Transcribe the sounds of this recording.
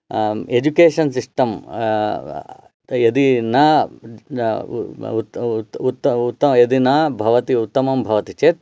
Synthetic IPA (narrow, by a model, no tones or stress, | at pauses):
ed͡ʒukeːʂɐnsiʂʈɐm | jɐd̪inɐ | ut̪ːɐut̪ːɐjɐd̪inɐbʱɐʋɐt̪iut̪ːɐmɐmbʱɐʋɐt̪it͡ʃeːt̪